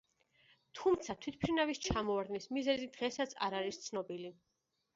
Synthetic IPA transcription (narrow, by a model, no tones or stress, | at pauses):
t̪ʰumt̪sʰat̪ʰwit̪̚ʰpʰɾinavist͡ʃʰamɔaɾd̪nismizɛzid̪ʁɛsat̪sʰa̰ɾaɾist̪sʰnɔbili